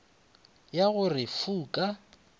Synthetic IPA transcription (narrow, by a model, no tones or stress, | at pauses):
jaɣʊrɪfuːkʼa